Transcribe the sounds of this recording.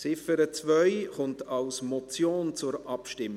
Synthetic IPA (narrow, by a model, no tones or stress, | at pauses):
sɪfəɾət͡svœʏχʊntʰɑlsmɔt͡sjoːnt͡sʊɾʔɑpʃtɪm